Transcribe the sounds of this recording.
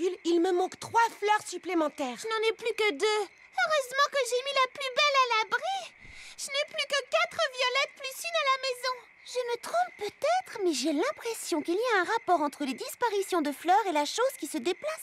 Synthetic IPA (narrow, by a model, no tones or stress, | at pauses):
ylilməmɑ̃kt̪χwaflœʁsyplemɑ̃t̪ɛːʁʒənɑ̃nɛplykəd̪ø | øʁøzmɑ̃kəʒemilaplybɛlalabʁiʒ̥ənɛplykəkat̪χəvjɔlɛt̪̚plysynalamɛzɔ̃ | ʒəmət̪χɔ̃ppːøt̪ɛt̪χəmɛʒelɛ̃pχɛsjɔ̃kiliaɛ̃ʁapɔʁɑ̃t̪χəled̪ispaʁisjɔ̃d̪əflœʁelaʃozkʲisəd̪eplas